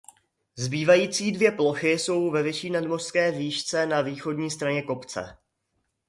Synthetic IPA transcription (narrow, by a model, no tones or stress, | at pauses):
zbiːvajiːt͡siːdvjɛplo̞xɪso̞wvɛvɪʃiːnadmor̥skɛːviːʃt͡sɛnaviːxo̞dɲiːst̪ɾaɲɛko̞pt͡sɛ̰